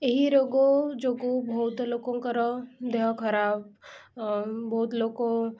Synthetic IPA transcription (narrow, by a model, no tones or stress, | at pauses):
eɦiɾoːɡod͡ʒoɡobʱɐɦut̪loːkõkɐɾɔd̪eɦkʰəɾaːb̚ | bɐut̪loːkõ